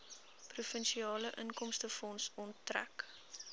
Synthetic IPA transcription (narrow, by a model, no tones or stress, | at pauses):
prufənʃiɑːləʔənkɔmstəfɔnsɔntːræ̰k